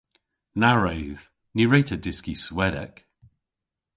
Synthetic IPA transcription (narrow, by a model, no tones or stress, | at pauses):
naɹəwð̥ | niɹetʰədɪskiswɛɾɛ̰k